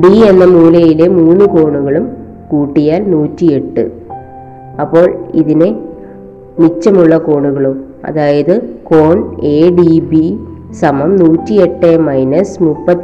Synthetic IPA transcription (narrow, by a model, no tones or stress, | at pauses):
ɖie̞nːɐmuːlɐjile̞muːnːɨko̞ːɳuɣɐɭum | kuːʈːijaːlnuːtːie̞ʈːɨ̰ | ɐpːo̞ːɭiðine̞ | mit͡ɕːɐmuɭːɐko̞ːɳuɣɐɭum | ɐ̰ðaːjɐðɨko̞ːɳe̞ːɖibi | sɐmɐmnuːtːie̞ʈːemɐjnɐsmupːɐt̪ː